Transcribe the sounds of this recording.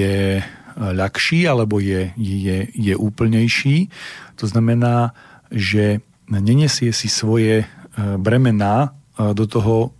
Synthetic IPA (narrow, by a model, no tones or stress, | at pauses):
ɛ | ʎakʃiːalɛbɔjɛjɛjɛjɛʔuːpl̩ɲɛjʃiːt̪ɔznamɛnaː | ʒɛ | ɲɛɲɛsɪɛsisʋɔjɛbɾɛmɛnaː | d̪ɔt̪ɔɦɔ